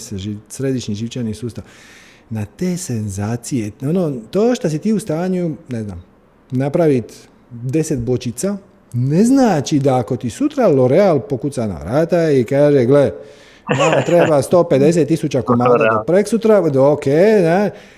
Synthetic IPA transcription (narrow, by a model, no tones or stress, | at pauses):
seʒisɾe̞d̪iʃɲiʒiʋt͡ʃanisuːst̪aʋ | nat̪eːsenzaːt̪sijeonoːt̪oːʃt̪asit̪iːust̪aːɲunezna̰ːm | napɾaʋit̪ | d̪e̞set̪bo̞t͡ʃit̪sa | neznaːt͡ʃid̪aːko̞t̪isut̪ɾaloɾealpo̞kut̪sana̰ʋɾaːt̪aikaːʒeɡle | amot̪ɾebast̪o̞ːped̪e̞s̬et̪ːisut͡ɕakomaapɾeksut̪ɾad̪okeːna